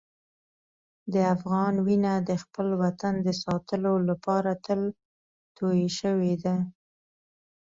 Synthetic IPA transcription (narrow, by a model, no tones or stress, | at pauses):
d̪əafɣɑnwinad̪əxpəlwat̪and̪əsɑt̪əlolapɑɾat̪əl | t̪ojeʃəwed̪a